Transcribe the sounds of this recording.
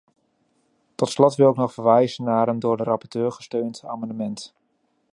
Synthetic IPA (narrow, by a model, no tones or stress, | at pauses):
tɔtslɔtʋɪlˠɪknɔχfəɹʋɛjzənːaːɾəmdʊːɹdərɑpɔɹtøːɹχə̥støɥnta̰ːmɑndəmɛnt